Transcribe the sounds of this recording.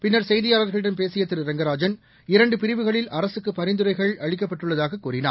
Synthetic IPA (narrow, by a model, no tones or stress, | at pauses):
pɪnːɐɾsɛjðɪjaːlɐɾɣɐɭɪɽɐnpeːsɪjɐt̪ːɪɾɯɾɛŋɡɐɾaːd͡ʒɐn | ɪɾɐɳɖɯpɪɾɪʋɯɣɐɭɪlʔɐɾɐsɯkːɯpːɐɾɪnd̪ɯɾɐɪɣɐɭɐɻɪk̬ːɐpːɐʈːɯɭːɐðaːɣɐkːuːɾɪna̰ː